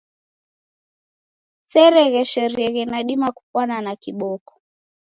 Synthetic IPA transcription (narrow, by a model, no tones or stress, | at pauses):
sɛɾɛɣɛʃɛɾiɛɣɛnaɗimaku̥pwananakiɓɔkɔ̥